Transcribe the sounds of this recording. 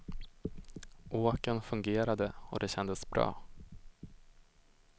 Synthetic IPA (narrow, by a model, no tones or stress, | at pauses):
ʔoːkənfɵŋɡeːɾad̪əɔ̰d̪ɛɕɛnd̪əsbɾɑ̰ː